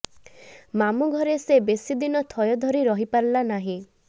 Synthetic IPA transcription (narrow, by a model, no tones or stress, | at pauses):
mamuɡʱɔɾesebesid̪inɔt̪ʰɔjɔd̪ʱɔɾiɾɔɦipaɾlanaɦĩ